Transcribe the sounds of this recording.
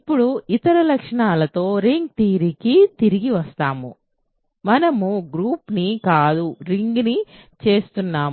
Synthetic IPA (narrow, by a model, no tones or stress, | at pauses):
ipːuɽuit̪ɐɾɐlɐkʂɐɳaːlɐt̪o̞ːɾiŋɡ̚t̪iːɾikit̪iɾiɡiʋɐst̪aːmṵ | mɐnɐmuɡɾuːpnikaːd̪uɾiŋɡnit͡ʃe̞ːst̪unːaː